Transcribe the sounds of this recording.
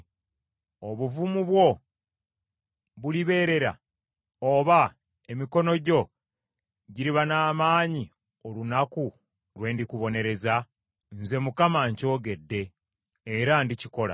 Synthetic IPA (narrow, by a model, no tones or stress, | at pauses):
o̞βuvumuβwo̞ | βuliβe̞ːɾe̞ɾa̰ | oːβa | e̞miko̞no̞ɟo̞ | ɟiɾiβanaːmaːɲi | o̞lunaku | ɾwe̞ːndikuβo̞ne̞ɾe̞za | nze̞mukamaɲco̞ːɡe̞dːe̞ː | ɾandiciko̞la̰